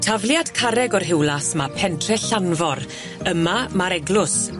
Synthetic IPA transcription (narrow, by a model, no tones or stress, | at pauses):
tʰavlˠjad̥kʰaɾɛɡɔrɦɪwlˠasmapʰɛntʰrɛɬanvɔɾ | əmamaɾɛɡlʊs